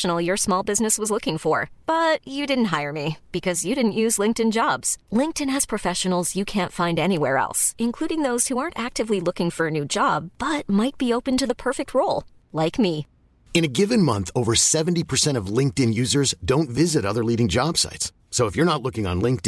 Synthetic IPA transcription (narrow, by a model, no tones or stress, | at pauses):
ʃn̩l̩ˠjə˞smɔlˠbɪznɨswʌzlʊkɪ̃ŋfə˞b̥ʌt͡ʃɨdɪdⁿn̩t̚ɦaɪə˞mib̥ɨkʰʌzjɨɾɪdⁿn̩ʔjʉzlɪ̃ŋk̚tɨ̃nd͡ʒɑbz̥lɪ̃ŋk̚tɨ̃nɨz̥pʰɹ̥ɨfɛʃɨn̩l̩ˠzjɨkʰæ̃ntfãɪ̃ndɛniwɛɹɛ̰lˠsɨ̃nkʰl̥uɾɪ̃ŋðoʊz̥huɑɹntæk̚tɨvlilʊkɪ̃ŋfə˞ɨnʉd͡ʒɑb̥ʌt̚maɪt̚b̥ioʊpɨ̃ntɨðəpʰɜ˞fɨk̚t̚ʰɹoʊlˠ | laɪkmi | ɨ̃ñɨɡɪvɨ̃nmʌ̃nθoʊvə˞sɛvn̩tipʰə˞sɛ̃ɾ̃ʌvlɪ̃ŋk̚tɨ̃njʉzə˞zdõʊ̃ntvɪzɨɾʌðə˞liɾɪ̃ŋd͡ʒɑb̥sa̰ɪts | soʊəfjə˞nətˡlʊkɪ̃ŋə̰̃nlɪ̃ŋk̚t